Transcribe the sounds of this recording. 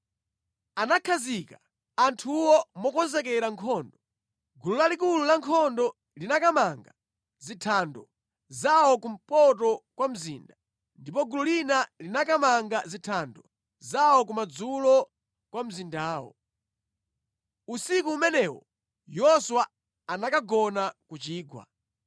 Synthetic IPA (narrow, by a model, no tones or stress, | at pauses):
anakʰazika | antʰuwɔmɔkɔnzɛkɛɾaŋkʰɔndɔ | ɡululalik̬ululaŋkʰɔndɔ | linakamaŋɡa | zitʰandɔ | zawɔkum̩pɔt̬ɔkwam̩zḭːnda | ndipɔɡululinalinakamaŋɡazitʰandɔ | zawɔk̬umad͡zulɔ | kwam̩zindaːwɔ̰ | usikuːmɛnɛwɔ | jɔswa | anakaɡɔnakut͡ʃiːɡwa̰